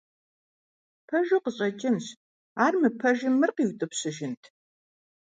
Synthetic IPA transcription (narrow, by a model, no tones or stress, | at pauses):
pʰɐʒɨqəɕʼɐt͡ʃʼɪmɕ | aːrmɨpʰɐʒɪmɨrqiːwtʼɨpɕɪʒɪntʰ